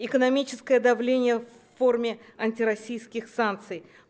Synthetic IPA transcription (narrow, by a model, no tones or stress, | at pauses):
ɪkənɐmʲit͡ɕɪskəjəd̪ɐvlʲenʲɪjəfː | o̞rmʲɪ | ɐnʲtʲɪɾɐsʲijskʲɪxsant̪sɨj